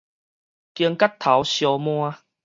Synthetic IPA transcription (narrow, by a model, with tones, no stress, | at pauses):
ki˧əŋka˦t̪ʰa˨˦wɕjɔ˧mw̃a˧